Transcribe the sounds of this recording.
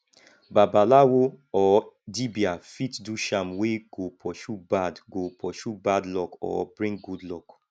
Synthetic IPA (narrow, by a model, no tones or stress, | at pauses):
babalawoɔdibiafitduʃamweɡ̥opʰɔʃubadɡopʰɔʃubadlɔkɔ̰bɹĩŋɡudlɔk